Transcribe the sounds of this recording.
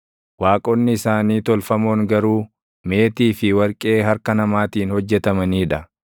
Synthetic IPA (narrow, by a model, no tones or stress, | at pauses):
waːkʼɔnːɪɪsaːniːt̪ɔlfɐmoːŋɡɐɾuː | me̞ːt̪iːfɪwɐɾkʼe̞ːɦɐɾkɐnɐmaːt̪iːnhɔd͡ʒːɛt̪ɐmɐniːᶑɐ